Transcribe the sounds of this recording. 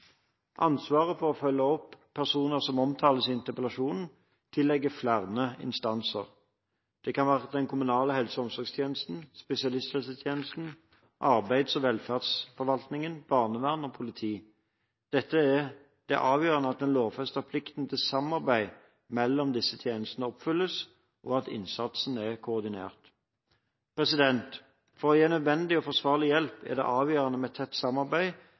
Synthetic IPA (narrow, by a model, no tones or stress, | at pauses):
ʔɑnsʋɑːʁəfɔɾɔfœlːəɔpʰːæʁsuːnəʁsɔmɔmt̪ʰɑːləsɪɪnt̪əʁpəlɑʃuːnn̩ | t̪ʰɪlːɛɡːəflæʁnəɪ̰nst̪ɑnsə̰ʁ | d̪̥ɛkɑnʋæːʁəd̪ɛnkʰʊmʉnɑːləhɛlsəɔmsɔʁɡst̪ʰjeːnəst̪n̩spɛsɪɑlɪst̪hɛlsət̪ʰjeːnəst̪n̩ | ʔɑʁbæɪd̪sɔʋɛlfæʁd̪sfɔɾʋɑlt̪nɪŋənb̥ɑʁnəʋæʁnoːpʰʊlɪt̪ʰiː | d̪̥ɛt̪ːə | d̪̥ɛ̰ʔɑːʋjøːʁɑnəɑt̪̚ɛnloːʋfœst̪ɑpʰlɪkt̪n̩t̪ʰɪlsɑmɑʁbæɪ | mɛlːɔmd̪ɪsːət̪ʰjeːnəst̪ənəɔpfʏlːəs | ʔɔɑt̪ɪ̰nsɑt̪sn̩ɛʁkʰʊːʁd̪ɪnḛːʁt̪ | pʁɛsɪd̪ɛnt̪ | fɔʁjeːnœd̪ʋɛnd̪ɪɔfɔʁsʋɑːʁlɪjɛlpʰæ̰ʁd̪ɛ̰ʔɑːʋjøːʁɑnəmɛt̪ʰːɛt̪ːsɑmɑʁbæɪ